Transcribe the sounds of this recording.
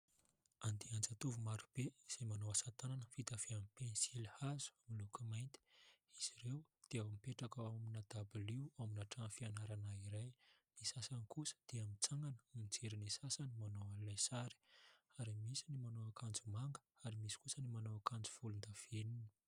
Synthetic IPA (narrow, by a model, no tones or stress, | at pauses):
and̪iand͡zat̪uvumaɾub̥eiz̥emanowasat̪ananəfit̪aveamipensilhazu̥amilukimajnt̪i̥iz̥iɾewd̪̥eawamipeʈ͡ʂakaaminad̪̥abuliwaminaʈ͡ʂaŋfianaɾanaiɾajnisasankusə̥d̪̥eamit͡saŋɡanə̥mid͡zeɾinisasanimanowalajsaɾi̥aɾimisinimanoakʰand͡zumaŋɡə̥aɾimisi̥kusənimanoakand͡zi̥vulund̪av̥enini̥